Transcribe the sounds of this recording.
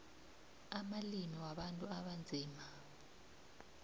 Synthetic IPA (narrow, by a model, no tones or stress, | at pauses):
amalimiwaɓantʼuaɓand͡zʱiːma